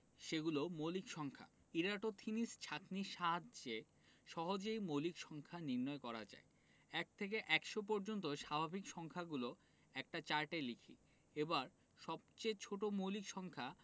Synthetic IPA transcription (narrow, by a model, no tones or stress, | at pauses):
ʃeɡulomolikʃɔŋkʰa̰ | iɾaʈot̪ʰinist͡ɕʰakniʃaɦadd͡ʑe | ʃɔɦod͡ʑejmolikʃɔŋkʰaniɾnɔekɔɾa̰d͡ʑa̰e | ɛk̚t̪ʰek̬eʔɛkʃop̬ɔɾd͡ʑont̪̬oʃabʱabʱikʃɔŋkʰaɡulo | ɛk̚ʈat͡ɕaɾʈelikʰḭ | ebaɾ | ʃɔb̚t͡ɕet͡ɕʰoʈomowlikʃɔŋkʰa